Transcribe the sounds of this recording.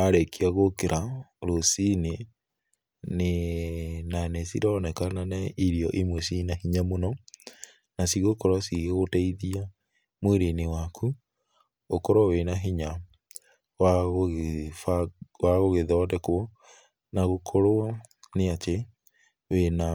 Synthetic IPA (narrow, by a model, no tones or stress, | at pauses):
aɾekʰiaɣokeɾʔaɾosine | ne | nanɛsiɾaɔnɛkananɛiɾiɔʔimwesinahiɲamonɔ | nasiɣekɔɾasiɣeɣotaiðia | mweɾenewakʰu | okɔɾɔwenaɦiɲa | waɣɣfawaɣoɣeðɔdɛkwɔ | naɣokʰoɾoa | neat͡ʃe | wena